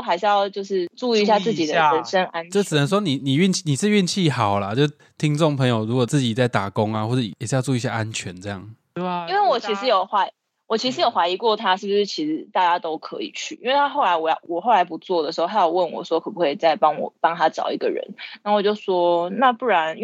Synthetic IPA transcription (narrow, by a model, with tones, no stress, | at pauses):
xa˧ɪʂ̩˥˧jɑ˥˧ʊt͡ɕjo˥˧ʊʂɻ̩˥˧ʈ͡ʂu˥˧i˧˥ɕja˥˧t͡sɹ̩˥˩t͡ɕi˨˩d̪ə˨ə˧˥nʂə˦˥nʔa˦˥nt͡ɕo˥˩ɻ̩˨nə˨˦ŋs̬ʂwɔ˥ni˨˩ni˨˩y˥˧nt͡ɕʰi˥˩ni˨˩t͡s̩˥˩˨y˥˧nt͡ɕʰi˥˨˩xɑ˨˩ʊla˨˦t͡ɕo˥˩ | t̪ʰi˦˥ŋʈ͡ʂo˥˩ŋpʰɤ˧˥ŋjo˨ʊɻu˧˥kwɔ˨˩t͡sɹ̩˥˩t͡ɕi˨˩t͡sa˥˩ɪt̪a˨˩kɔ˦ŋa˨xwɔ˥˩ʈ͡ʂɤ˨˩˨jʂ̩˥jɑ˥˧ʊt͡su˥˩i˧ɕja̰˥˧ʔa˦nt͡ɕʰɥɛ˧˦nt͡sɤ˥˧jɑ̰˥˩ŋ | i˦nwe˥˩ɪwɔ˨˩t͡ɕʰi˧˥ʂɻ̩˧˥jo˨˩ʊxwa˧˥ɪ | wɔ˨˩t͡ɕʰi˧˥ʂ̬ɻ̩˧˦jo˨˩ʊxwa˧˥ɪi˧kwɔ˥˨t̪ʰa˦ʂɻ̩˥˩bu˩ʂɻ̩˥˩t͡ɕʰi˧˥ʂɻ̩˧˦t̪a˥˧t͡ɕa˥t̪o˥ʊkʰɤ˧˦ḭ˨˩t͡ɕʰy̰˥˩ʔi˥nwe˥˩t̪ʰa˥xo˥˩ʊla˧˥ɪwɔ˨˩j̰wɔ˨˩xo˥˩la˧˥ɪpu˨˧˥t͡swɔ˥˩d̪ə˨˩ʂ̩˧˥xo˥˧a˧˥jo˨˩ʊwə˥˩nwɔ̰˨˩ʂwɔ˥kʰɤ˨˩pu˧˥xwe˥˩ɪt͡sa˥˩ɪpɑ˦˥ŋwɔ̰˨˩pɑ˥ŋt̪ʰa˥ʈ͡ʂɑ̰˨˩ʊḭ˧˥ɡə̰˨ɻə̰˧˦nna˥˧wɔ˨˩t͡ɕjo˥˩ʊswɔ˥na˥˧pu˥˩ɻa˧˦n˥